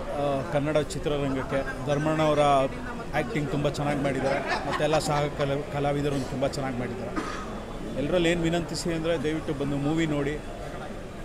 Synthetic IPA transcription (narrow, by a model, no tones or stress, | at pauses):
kɐnːɐɽɐt͡ʃit̪ɾɐɾɐŋɡɐkːe̞ | d̪ʱɐɾmɐɳɐʋɐɾɐ | aːk̚ʈiŋɡt̪umbɐt͡ʃɛnːaːɡimaːɽid̪aːɾemɐt̪ːuɛlːɐsaːɐkɐkɐlaːʋid̪ɐɾuond̪ut̪umbɐt͡ʃɛnːaːɡimaːɽid̪aːɾe | ɛlːɐɾɐlːeːnʋinɐnt̪isiɐnd̪ɐɾe̞d̪ɐjʋiʈːubɐnd̪umuːʋino̞ːɽi